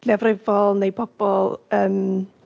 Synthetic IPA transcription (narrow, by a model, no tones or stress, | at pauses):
lɛvrɪvɔlˠnejpʰɔb̥ɔlˠəːm